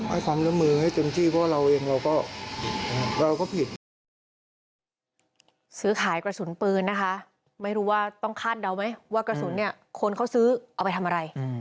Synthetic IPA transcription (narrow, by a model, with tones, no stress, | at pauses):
ha̰˥˩jkʰwaː˧mɾɯ˥˩mɯː˧ha˥˩jt̪e˧mt̪ʰiː˥˩pʰɔ˦˥˩waː˥˩ɾa˧wʔeː˧ŋɾa˧wkɔː˥˩ɤː˧ɾa˧wkɔː˥˩pʰi˨˩t̪̚ | sɯː˦˥kʰaː˩˦jkɾa˧su˩˦npɤː˧nːa˦˥kʰa˦˥ | ma˥˩jɾuː˦˥waː˥˩t̪ɔ˥˩ŋkʰaː˥˩t̪̚da˧wma˦˥jwaː˥˩kɾa˧su˨˩˦nːi˥˩ɐ | kʰo˧nkʰa˥˩wsɯː˦˥ʔa˧wpa˧jt̪ʰa˧mʔa˧ɾa˧j